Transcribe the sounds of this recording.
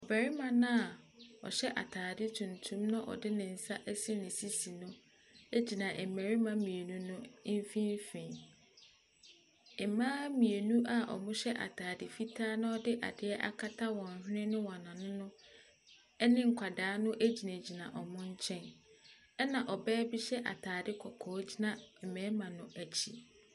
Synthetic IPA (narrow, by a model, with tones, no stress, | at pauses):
ɔ˨bɛ˨ɾɪ˦mã˨nã˦a˨ɔ̰˨ɕɛ˦ʔa̰˨tʰaː˨dɪ˦tʰũ˨n̩˨tʰũ˦mnã˦ʔɔ̰˨dɪ˦nɪ̃˨n̩˨sa˦ʔɛ˦sɪ˦nɪ̃˨si˦si˨nʊ̃˦ | e˦d͡ʑi˨nã˨ʔɛ˨mæ˨ɾi˦mã˦mĩ˨e˨nũ˦nʊ̃˦m˦fĩ˦m˦fĩ˨ | e˨mãː˦mĩ˨e˨nũ˦ʔa˨ʔɔ̰˨mʊ̃˦ɕɛ˦ʔa̰˨tʰaː˨dɪ˨fi˦tʰaː˦nʊ̃˦ɔ˦dɪ˦ʔa̰˨dɪ˨˦ɛ˦ʔa̰˦kʰa˦tʰa˦wɔ̃˨n̩˨ɦnɪ̃˦nʊ̃˦wã˨nã˨nʊ̃˦nʊ̃˦ | ɛ˦nɪ̃˦ŋ̩˨kʷʰa˨daː˨˦nʊ̃˦ʔe˦d͡ʑi˨nã˨d͡ʑi˨nã̰˨ʔɔ˨mʊ̃˦ɲ˦t͡ɕʰɛ̃˦n | ɛ˦nã˨ʔɔ˨bɛː˦bi˦ɕɛ˦ʔa̰˨tʰaː˨dɪ˦kʰɔ˨kʰɔː˨˦d͡ʑi˦nã˨ɛ˨mɛ˨ɾmã˨nʊ̃˨ʔæ˨t͡ɕʰi˦